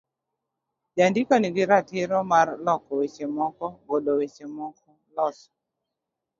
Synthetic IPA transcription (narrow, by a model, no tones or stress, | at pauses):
d͡ʒandikɔniɡɪɾatɪɾɔmarlɔkɔwet͡ʃemɔkɔɡodowet͡ʃemɔkɔlɔsɔ̥